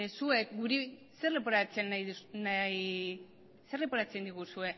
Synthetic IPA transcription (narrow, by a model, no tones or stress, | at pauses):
sue̞kɡuɾi | se̞rlep̬oɾat͡se̞najðunaj | se̞rlepoɾat͡send̪iɣ̞usue̞